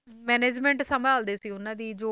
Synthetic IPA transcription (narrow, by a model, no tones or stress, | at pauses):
mɛːneːd͡ʒmɛ̃ɳʈsəmbʱaːld̪eːsiːʊnãːd̪iːd͡ʒoː